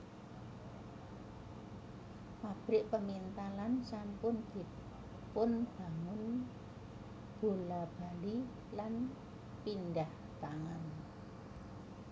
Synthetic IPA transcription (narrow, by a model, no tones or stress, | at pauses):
pab̥ɾɪʔpəmint̪alansampʊnd̪̥i̤ | pʊnb̥a̤ŋʊn | b̥o̤lab̥a̤li | lan | pindah | t̪aŋan